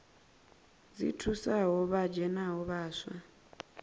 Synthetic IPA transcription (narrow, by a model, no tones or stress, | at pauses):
zḭtʰusaɦɔβad͡ʒɛnaɦɔβaːswa